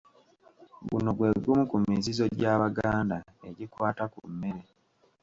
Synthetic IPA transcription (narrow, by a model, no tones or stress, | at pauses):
ɡṵno̞ɡwe̞ːɡumukumizizo̞ɟaːβaɡaːndae̞ɟikwaːtakṵmːeɾe̞